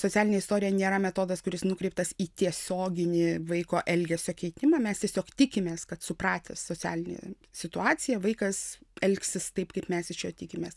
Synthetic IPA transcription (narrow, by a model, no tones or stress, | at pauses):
soːt͡sʲæːlʲnʲeːɪsʲt̪oːɾʲɪjɛnʲeːɾɐmʲɛt̪oːd̪ɐskʊɾʲɪsnʊkɾʲɛɪp̚t̪ɐsiːt̪ʲiɛsʲoːɡʲɪnʲɪʋɐɪkoːʔɛlʲɡʲɛsʲoːkʲɛɪt̪ʲɪmɑːmʲɛst̪ʲiɛsʲoːkt̪ʲɪkʲɪmʲeːskɐt̪sʊpɾɑːt̪ʲɛ̰soːt͡sʲæ̰ːlʲɪnʲḛ | sʲɪt̪ʊɑːt͡s̪ʲɪjɛʋɐɪkɐsɛlʲksʲɪst̪ɐɪpkɐɪpmʲɛsɪʃʲjoːt̪ʲɪkʲɪmʲeːs